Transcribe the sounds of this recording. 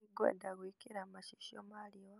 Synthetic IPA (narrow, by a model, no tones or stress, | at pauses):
iɡwḛdaɣwikiɾamaʃiʃomalio